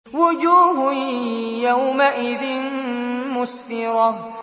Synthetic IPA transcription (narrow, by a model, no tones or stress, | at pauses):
wʊd͡ʒuːɦʊjawmaʔɪðɪnmʊsfɪɾɑ